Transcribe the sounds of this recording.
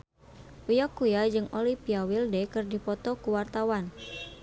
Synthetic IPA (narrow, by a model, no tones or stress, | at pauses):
ujakujad͡ʒɨŋolipiawildɛkɨrdipɔt̪ɔkuwart̪awan